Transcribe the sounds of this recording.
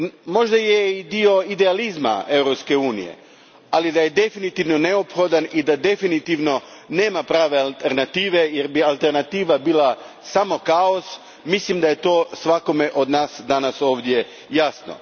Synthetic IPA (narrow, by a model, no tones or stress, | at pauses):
mo̞ʒd̪ajeid̪io̞id̪e̞alizma̰e̞wɾopske̞uːnḭje̞̰ | alid̪aje̞d̪e̞finit̪iʋno̞ne̞opxo̞d̪anid̪ad̪e̞finit̪iʋno̞ | ne̞ːmapɾaːʋe̞alt̪eɾnat̪iːʋe̞jeɾbialˠt̪e̞ɾnat̪iːʋabiːlˠa | samo̞kao̞s | mislimd̪aje̞t̪o̞ːsʋako̞me̞ʔo̞d̪naːsd̪anaso̞ːʋd̪je̞ | jasno̞̰